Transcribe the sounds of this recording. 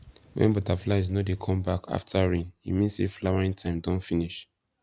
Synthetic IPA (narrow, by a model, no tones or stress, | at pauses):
wɛ̰̃nbɔtaflaɪznɔdekʰɔ̃mbaka̰ftʰaɹĩnḭmĩnsḭflawaɹĩŋtʰãɪ̃mdɔ̃nfiniʃ